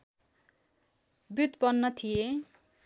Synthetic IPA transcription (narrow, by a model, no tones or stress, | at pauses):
but̪bʌnːʌt̪ʰije